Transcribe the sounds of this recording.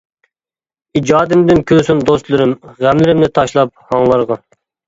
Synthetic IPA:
id͡ʒɑːd̪ɪmd̪ɪnkʲʰøsɪnd̪ost̪lˠɨɾɪmʁæmlɪɾɪmnɪt̪ʰɑʃlˠɑp̚hɑŋlˠɑɾʁɑ

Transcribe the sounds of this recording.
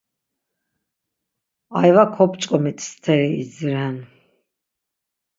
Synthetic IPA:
ajvakʰɔpt͡ʃʼkʼɔmit̪ʰst̪ʰɛɾiːzɾɛn

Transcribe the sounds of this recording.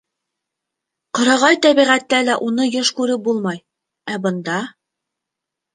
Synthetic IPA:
qŏɾɑʁɑjt̪æβiʁæt̪ːælæʔunɤjɤʃkʉɾɘp̚bulˠmɑj | æbɤ̆nd̪ɑ

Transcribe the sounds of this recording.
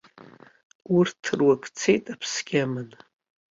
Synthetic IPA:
urtʰːɨrwakʰʼt͡sʰejtʼapʰsɡʲamɨn

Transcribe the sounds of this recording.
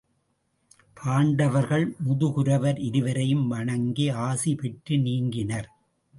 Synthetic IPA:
pʰaːɳɖɐʋɐɾɣɐɭmʊðɯɣɯɾɐʋɐɾɪɾɯʋɐɾɐjɯmʋɐɳɐŋɡeaːsipɛʈːɯniːŋɡɪnɐɾ

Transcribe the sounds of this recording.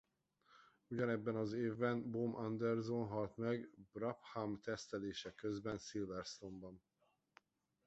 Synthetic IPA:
uɟɒnɛbːɛnɒzeːvbɛnbomʔɒnd̪ɛrzonɦɒlt̪mɛɡbrɒphamt̪ɛst̪ɛleːʃɛkø̞zbɛnsilvɛrst̪o̞mbɒn

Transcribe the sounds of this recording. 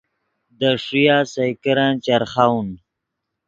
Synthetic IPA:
d̪əʂujasajkəɾant͡ʃaɾχawn

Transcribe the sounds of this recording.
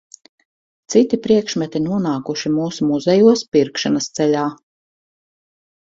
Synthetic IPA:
t̪sit̪ipɾiɛkʃmɛt̪inuɔnaːkuʃimuːsumuzɛjuɔspiɾkʃanɐst̪sɛʎaː

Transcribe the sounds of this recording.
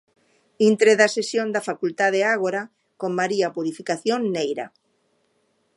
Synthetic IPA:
int̪ɾeðasesjõnd̪afakult̪að̞eaɣ̞oɾa | kommaɾiapuɾifikaθjoŋːejɾa̰

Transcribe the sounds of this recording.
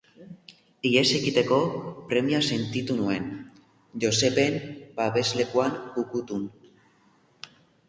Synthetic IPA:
ie̞se̞kit̪e̞ko̞pɾe̞miase̞nt̪it̪unue̞n | ʝo̞se̞pe̞mbaβe̞zle̞kuanukut̪un

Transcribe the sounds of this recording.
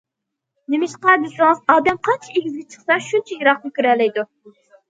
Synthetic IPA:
nemɪʃqɑd̪ɪsɨŋɨzɑːd̪ɛmqʰɑnt͡ʃʰieɡʲizɡʲɛt͡ʃʰə̥χsɑʃunt͡ʃʰɛjiɾɑqjykʲyɾɛlːɛjd̪u

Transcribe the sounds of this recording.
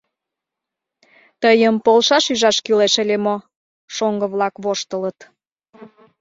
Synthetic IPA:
t̪əjəmpolʃɑʃyʒɑʃkyleʃəlʲemo | ʃoŋɡəβlɑkβoʃt̪ələt̪

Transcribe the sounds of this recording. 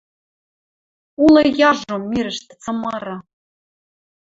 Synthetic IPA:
ulˠɤjɑʒomːiɾɘ̆ʃt̪ɘ̥̆t͡sɤ̆mɑɾɑ

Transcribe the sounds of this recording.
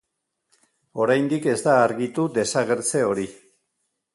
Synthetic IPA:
o̞ɾajnd̪ike̞zd̪aːɾɣit̪ud̪e̞saɣe̞ɾt͡se̞o̞ɾi

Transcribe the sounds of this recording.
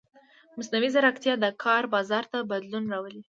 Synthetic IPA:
mʊsnawizaɾakt̪jɑd̪əkʰɑɾbɑzɑɾt̪abad̪lunɾɑwəli

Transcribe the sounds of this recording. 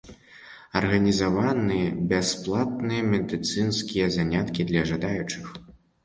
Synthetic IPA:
ɐrɣɐnʲizavanɨjɛbʲasplˠat̪̚nɨjɐmʲɛd̪ɨt̪sɨnskʲijɛzanʲat̪kʲid̪lʲɐʐad̪ajut͡ʂɨx

